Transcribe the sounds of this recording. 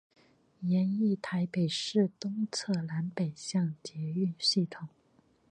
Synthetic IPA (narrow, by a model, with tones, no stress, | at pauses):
jɛ˧˥ni˥˩t̪ʰa˧˥ɪpe˨˩ɪʂɻ̩˥˩t̪ʊ˥ŋt͡sʰɤ˥˩la˧˥npe˨˩ɪɕjɑ˥˩ŋt͡ɕjɛ˧˥y˥˧nɕi˥˩t̪ʰʊ˨˩˦